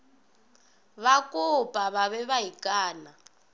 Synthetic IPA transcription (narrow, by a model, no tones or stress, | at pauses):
βakʼʊpʼaβaβɛβaikʼaːna